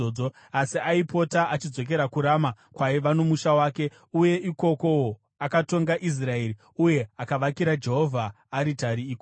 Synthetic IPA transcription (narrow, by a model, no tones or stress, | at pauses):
oo | asiaipo̞taʔat͡ʃid͡zo̞k̬e̞ɾakuɾaːma | kwaiʋano̞muʃawaːke | uje̞iko̞ko̞wo | akato̞ŋɡaʔis̬rae̞ːɾi | uje̞akaʋakiɾad͡ʒe̞ɦo̞vʱaː | ɾitaɾiːko